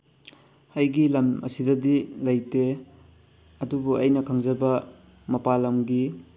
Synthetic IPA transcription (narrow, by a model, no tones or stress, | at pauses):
hɐjɡilɐmɐ̰sidɐdilɐjte | ɐdubuʔɐ̰jnɐkʰɐŋzɐbɐ | mɐpalɐmɡi